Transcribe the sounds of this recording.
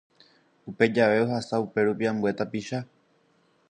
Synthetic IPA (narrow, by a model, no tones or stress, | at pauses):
upe̞d͡ʒaʋe̞o̞ɦasaupe̞ɾupiãmbue̞t̪apiʃa